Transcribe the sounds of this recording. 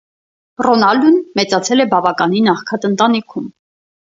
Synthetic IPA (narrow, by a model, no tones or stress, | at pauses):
rɔnɑld̪unmɛt͡sɑt͡sʰɛlɛbɑvɑkɑninɑχkʰɑt̪ənt̪ɑnikʰum